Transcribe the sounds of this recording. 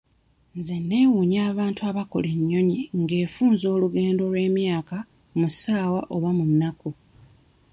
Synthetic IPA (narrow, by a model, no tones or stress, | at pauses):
nzenːe̞ːwuɲaːβaːntuaβako̞̰leɲːo̞ɲiŋɡe̞ːfuːnzo̞ːluɡe̞ːndo̞lwe̞ːmjaːka | musaːwaʔo̞βwamunːaku